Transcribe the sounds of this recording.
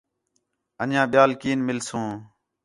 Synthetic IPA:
ənjãːɓɪjaːlkiːnmɪlsõː

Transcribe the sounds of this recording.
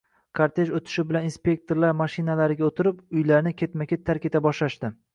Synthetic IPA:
kʰaɾt̪ʰe̞ʃot̪ʰɪ̥ʃɪbɪlaninspʲe̞k̚t̪ʰoɾlaɾmaʃɪnalaɾɪɡʲaot̪ʰɪɾɪpʊjlaɾnɪkʲʰe̞t̪makʲet̪ʰaɾkʲe̞t̪ʰabɒʃlaʃt̪ɪ

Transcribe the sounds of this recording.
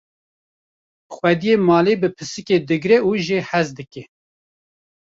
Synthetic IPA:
xwɛd̪ijeːmɑːleːbɨpʰɨsɨked̪ɨɡɾɛuʒeħɛzd̪ɨkɛ

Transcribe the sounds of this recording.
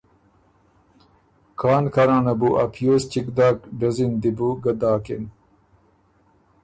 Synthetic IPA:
kʰaːnkʰɐɾãːnɐbuʔɐpʰjoːst͡ɕikd̪aːkɖɐzind̪ibuɡɐd̪aːkin

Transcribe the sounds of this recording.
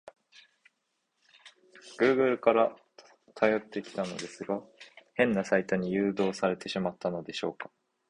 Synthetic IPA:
ɡ̥ɯ̟ːɡɯ̟ɾɯ̟kaɾa | t̪ʰajo̞t̪ːe̞kʲi̥t̪ano̞̰d̪e̞sɨɡahẽ̞nːasait̪aɲ̟ijɯ̟ːd̪o̞ːsaɾe̞t̪e̞ɕimat̪ʰːano̞d̪e̞ɕo̞ːkḁ

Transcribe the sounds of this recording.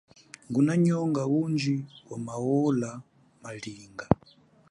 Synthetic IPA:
ŋɡunaɲɔŋɡawund͡ʒiwamawɔla | maliːŋɡa

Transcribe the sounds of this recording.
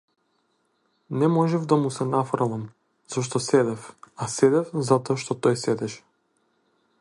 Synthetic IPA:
nɛmɔʒɛvd̪amusɛnafɾɔvam | z̥ɔʃ̬t̪ɔsɛd̪ɛfasɛd̪ɛfzat̪ɔaʃt̪ɔt̪ɔjsɛd̪ɛʃɛ̥

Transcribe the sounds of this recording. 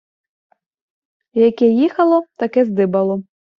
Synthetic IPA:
jakʲɛjixɐlˠɔt̪akɛzd̪ɨbɐlˠɔ

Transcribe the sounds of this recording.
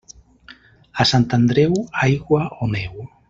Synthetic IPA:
asant̪and̪ɾewajɣwaonew

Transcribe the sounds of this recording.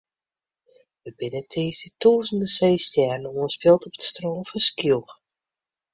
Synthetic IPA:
ʋəbɪnətʰeːsdituːzən̩dəseːstjɛrnoənspɪlˠtɔpə̥tstroːmfɔnskilˠx

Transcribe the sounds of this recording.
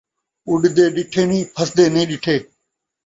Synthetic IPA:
ʊɖd̪eːɗɪʈʰeːnĩːpʰəsd̪eːnĩːɗɪʈʰeː

